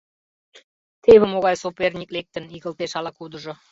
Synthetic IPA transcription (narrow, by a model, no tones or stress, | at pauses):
t̪eβə̆moɣɑjsopernʲik̚lek̚t̪ə̆niɣəlt̪eʃɑlɑkud̪ə̆ʒŏ